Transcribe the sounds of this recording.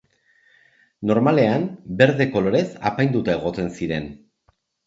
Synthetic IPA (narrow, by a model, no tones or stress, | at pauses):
no̞ɾmale̞ambe̞ɾðe̞ko̞lo̞ɾe̞sa̰pajnd̪ut̪ae̞ɣ̞o̞t̪e̞nsiɾe̞n